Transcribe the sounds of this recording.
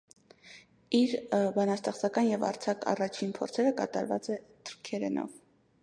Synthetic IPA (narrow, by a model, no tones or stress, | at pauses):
iɾbɑnɑst̪ɛχt͡sɑkɑnjɛvɑ̰ɾt͡sʰɑkʰɑ̰rɑt͡ʃʰinpʰɔɾt͡sʰɛɾəkɑt̪ɑ̰ɾvɑ̰t͡sɛt̪ʰəɾkʰɛɾɛnʔɔ̰v